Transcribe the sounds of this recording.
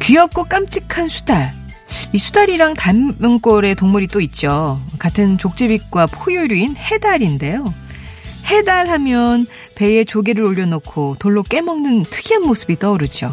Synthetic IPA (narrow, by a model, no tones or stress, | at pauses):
kiʌp̚k͈ok͈amt͡ɕʰikʰansʰu̥daɭ | isʰu̥daɾiɾaŋtamjʌŋk͈oɾe̞toŋmuɾit͈oit̚t͡ɕ͈okatʰɯnt͡ɕok̚t͡ɕ͈ebik̚k͈wapʰojoɾuinhe̞daɾinde̞jo | he̞daɭhamjʌn | pe̞e̞t͡ɕoɡeɾɯɾoʎːʌnokʰotoɭːok͈e̞mʌŋnɯntʰɯɡʰianmosʰɯbit͈ʌoɾɯd͡ʑo